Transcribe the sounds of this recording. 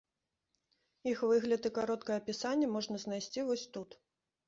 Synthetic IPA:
ixvɨɣlʲɐt̪ɨkaɾɔt̪kɐjɛɐpʲisanʲːɛmɔʐnɐzn̪ajsʲt͡sʲivɔsʲt̪ut̪

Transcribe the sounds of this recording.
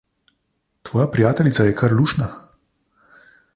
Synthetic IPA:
t̪ʋɔːjapɾijaːt̪ɛlʲit̪sajɛkʰaɾluːʃna

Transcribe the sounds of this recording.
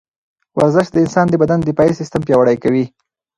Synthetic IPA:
wa̰ɾzɪʃd̪əɪnsɑnd̪əbad̪and̪ɪpɑisɪst̪əmpjɑwaɽajkawi

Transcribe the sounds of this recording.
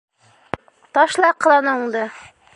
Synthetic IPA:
t̪ɒʃlˠɑqɤ̆lˠɑnɤuɴd̪ɤ

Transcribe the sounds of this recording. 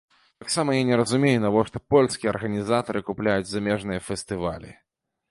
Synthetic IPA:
t̪ɐksamɐjanʲɛɾɐzumʲejunɐvɔʂt̪ɔpɔlʲskʲijɛɐrɣɐnʲizat̪ɐɾɨkuplʲajud͡zʲzamʲɛʐnɨjɐfʲɛst̪ɨva̰lʲḭ

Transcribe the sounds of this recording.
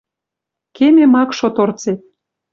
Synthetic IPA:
kememɑkʃot̪ort͡set̪̚

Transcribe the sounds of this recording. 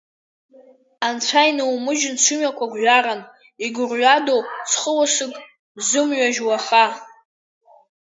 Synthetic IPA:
ant͡sʷʰajnɨwmɨʒɪnt͡ʃʷʰʊmakʷʰaɡʷʒʷaɾan | iɡʊrʕʷadowt͡sʰχəwasɨkʼ | zɨmɥaʒwaχa

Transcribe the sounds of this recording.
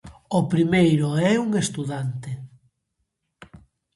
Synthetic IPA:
ʊpɾimejɾʊɛuŋest̪uðant̪ɪ

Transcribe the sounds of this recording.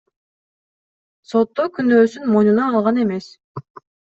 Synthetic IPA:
so̞t̪ːokynøːsynmo̞jnunɑɑlˠʁɑne̞me̞s

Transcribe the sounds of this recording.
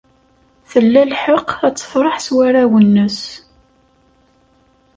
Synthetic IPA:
θəlːælħəqæt͡sːə̥fɾˤɑħswæɾæwənːəs

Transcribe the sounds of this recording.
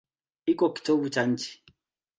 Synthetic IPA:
ikɔki̥tobut͡ʃant͡ʃi̥

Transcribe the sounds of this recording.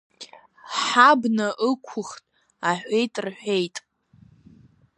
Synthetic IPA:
ħabnaʔɨkʷʰʊχtʼ | aħʷejtʼrħʷᶣejtʼ

